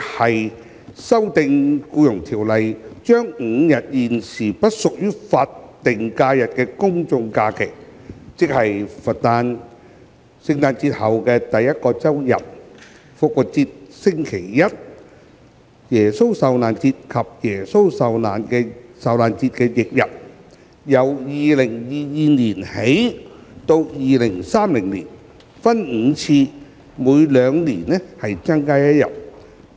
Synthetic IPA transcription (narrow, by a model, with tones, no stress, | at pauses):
hɐ˨j | sɐ˥wt̪ɪ˨˧ŋkuː˧jʊ˨˩ŋt̪ʰiː˨˩wlɐ˨jt͡ʃœː˥ŋŋ̩˨˧jɐ˨t̚jiː˨nsiː˨˩pɐ˥t̚sʊ˨k̚jyː˥faː˧tt̪ɪ˨˩ŋkaː˧jɐ˨t̚kɛː˧kʊ˥ŋt͡sʊ˧ŋkaː˧kʰɪ˨˩k̚ | t͡sɪ˥k̚hɐ˨jfɐ˨t̚t̪aː˧n | sɪ˧ŋt̪aː˧nt͡siː˧t̚hɐ˨wkɛː˧t̪ɐ˨jːɐ˥t̚kɔː˧t͡sɐ˥wjɐ̰˨p̚ | fʊ˨k̚wʊ˨t̚t͡siː˧t̚sɪ˥ŋkʰe˨˩jjɐ˥t̚ | jɛː˨˩so˥wsɐ˨wnaː˨˩nt͡siː˧t̚kʰɐ˨p̚jɛː˨˩so˥wsɐ˨wnaː˨nkɛ˧sɐ˨wlaː˨nt͡siː˧t̚kɛː˧jɪ˨k̚jɐ˨p̚ | jɐ˨˩wjiː˨lɪ˨˩ŋjiː˨jiː˨niː˨˩nhe˨˥j | t̪o˧wjiː˨lɪ˨˩ŋsaː˥mlɪ˨˩ŋliː˨˩n | fɐ˥nŋ̩˨˧t͡sʰiː˧ | muː˨˧jlœː˨˧ŋliː˨˩nɛ˥hɐ˨jt͡sɐ˥ŋkaː˥jɐ˥t̚jɐ̰˨˩p̚